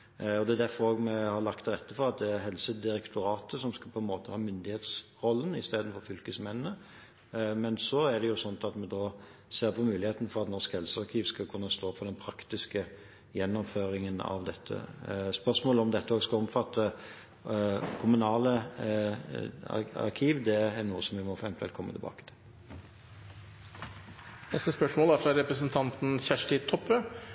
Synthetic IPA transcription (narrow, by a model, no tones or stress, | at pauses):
ɔd̪ɛæd̪æɾfɔɾoːɡmɛhɑɾlɑk̚t̪ʰːɪlʁɛt̪ːəfɔɾɑt̪̚d̪ɛæɾɦɛlsəd̪ɪɾɛkt̪ʰʊɾɑːt̪əsɔmskɑpʰɔɛnmoːt̪əhɑːmʏnd̪ɪheːt̪sʁɔlːənɪst̪eːd̪ənfɔɾfʏlkəsmɛnnə | mɛnsɔæɾd̪ɛjʊsɔnt̪ɑt̪mɛd̪oːseːʁpʰɔmʉːlɪheːt̪n̩fɔɾɑt̪nɔʁskhɛlsəɑɾkʰiːʋskɑkʰʉnːəst̪oːfɔɾd̪ɛnpʰɾɑkt̪ɪskə | jɛnːɔmføːɾɪŋənɑ̰ʋd̪ɛt̪ʰːə̰spœʁsmoːləɔmd̪ɛt̪ːəoskɑɔmfɑt̪ʰːə | kʰʊmʉnɑːlə | ɑ̰ɾkʰiːʋd̪ɛæɾnuːəsɔmʋɪmɔfɾɛmt̪ɛ̰lkʰɔmːət̪ʰɪlbɑ̰ːkə̥t̪ʰɪ̥l | nɛst̪əspœʂmoːlæɾfɾɑɾɛpɾəsənt̪ʰɑnt̪n̩ɕæʂʈɪt̪ʰɔpːø